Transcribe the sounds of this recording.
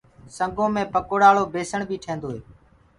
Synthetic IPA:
səŋɡõːmẽːpəkoːɽaːɭoːbeːsəɳbʱiːʈʰẽːnd̪oːɦeː

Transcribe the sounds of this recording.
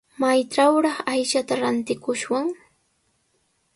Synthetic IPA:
majʈ͡ʂawɾɑχajʃat̪aɾant̪ɪkʊʃwaŋ

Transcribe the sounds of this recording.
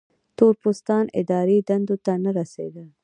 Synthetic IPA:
t̪oɾpust̪ɑnɪ̰d̪ɑɾid̪and̪ot̪anaɾasḛd̪ə

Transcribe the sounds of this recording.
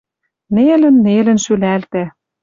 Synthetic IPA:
nelɘ̆nːelɘ̆nʃylælt̪æ

